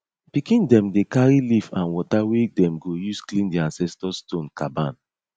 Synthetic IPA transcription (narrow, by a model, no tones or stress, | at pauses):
pikĩndɛ̃mdekaɹilifãnwɔtawedɛ̃mɡojusklĩndiãnsɛstɔstõnkabãn